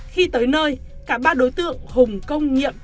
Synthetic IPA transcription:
xi˧t̪əː˨˦jnəː˧j | kaː˧˩ɓaː˧ɗo˨˦jt̪ɨ̰˧˨əŋhʊ˨˩ŋ͡mkə˧wŋ͡mɲḭ˧˨əm

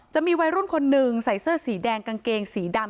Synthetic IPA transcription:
t͡ɕa˨ʔmiː˧wa˧jɾu˥˩nkʰo˧nːɯ˨˧ŋsa˨˩˦jsɤː˥˩siː˩˦dɛː˧ŋka˧ŋkeː˧ŋsiː˩˦da˧m

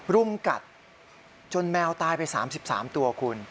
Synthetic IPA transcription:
ɾu˧mka̰˨˩t̪̚ | t͡ɕo˧nmɛː˧wt̪aː˧jpa˧jsa̰ː˩˦msi˨˩p̚sa̰ː˩˦mt̪u˧ɐkʰu˧n

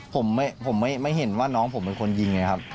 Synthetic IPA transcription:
pʰo˩˦mːa˥˩jpʰo˨˩˦mːa˥˩jma˥˩jɦe˨˩˦nwaː˥˩nɔː˦˥ŋpʰo˩˦mpe˧nkʰo˧nji˧ŋːa˧˦˥jkʰa˦˥p̚

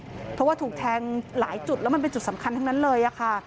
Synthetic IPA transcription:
pʰɾɔ˦˥waː˥t̪ʰuː˨˩k̚t̪ʰɛː˧ŋlaː˩˦jt͡ɕu˨˩t̪̚lɛ˦˥ma˧npe˧nt͡ɕu˨˩t̪̚sa˩˦mkʰa˧nt̪ʰa˧˥ŋna˦˥nlɤː˧jʔa˨˩kʰa˥˩

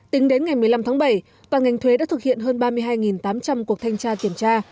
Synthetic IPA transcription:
t̪ï˨˦ŋɗe˨˦nŋa˨˩jmɨ˨˩əjla˧mt̪ʰaː˨˦˥ɓə˧˩j | t̪waː˨˩nŋa˨˩jŋ̟t̪ʰwe˨˦ɗaː˧˥t̪ʰɨ˨˩k̚hḭ˧˨ənɦəː˧nɓaː˧mɨ˧əɦaː˧jŋi˨˩nt̪aː˨˦mt͡ɕa˧mku˨˩ək̚t̪ʰjŋt͡ɕaː˧t̪i˧˩əmt͡ɕaː˧

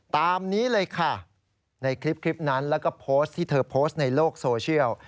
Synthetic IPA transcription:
t̪aː˧mniː˦˥lɤː˧jkʰa˥˩ | na˧jkʰɾi˦˥p̚kʰɾi˦˥p̚na˦˥nlɛː˦˥wkɔː˥˩pʰoː˦˥st̪ʰːiː˥˩t̪ʰɤː˧pʰoː˦˥st̪̚na˧jloː˥˩k̚soː˧t͡ɕʰi˥˩əw

